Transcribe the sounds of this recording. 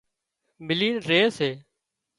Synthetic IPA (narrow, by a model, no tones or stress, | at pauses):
bɪliːnɾeːseː